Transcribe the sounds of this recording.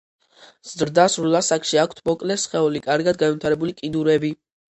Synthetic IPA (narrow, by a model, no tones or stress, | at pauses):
z̥ɾd̪asɾulˠasakʃiakʷʰt̪ʰmɔkʼlɛsχɛulikʼaɾɡad̪̚ɡanvit̪ʰaɾɛbulikʼid̪uɾɛbi